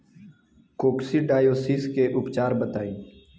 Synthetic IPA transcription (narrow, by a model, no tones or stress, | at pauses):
koːpsiːɖaːjoːsiːskeːʔʊpt͡ʃaːɾbət̪aːĩː